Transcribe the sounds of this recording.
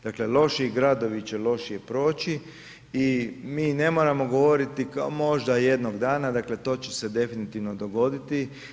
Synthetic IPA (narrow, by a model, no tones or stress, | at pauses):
d̪akle̞lˠo̞ʃiɡɾad̪o̞ʋit͡ɕelo̞ʃije̞pɾo̞ːt͡ɕi | imiːne̞mo̞ːɾamo̞ɡoʋo̞ɾit̪ikamo̞ʒd̪aje̞d̪no̞ɡd̪aːnad̪aːkle̞t̪o̞ːt͡ɕese̞d̪e̞finit̪iʋno̞d̪o̞ɡo̞d̪it̪i